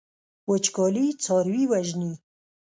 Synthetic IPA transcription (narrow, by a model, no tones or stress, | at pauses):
wət͡ʃkɑlit͡sɑɾwiwaʒni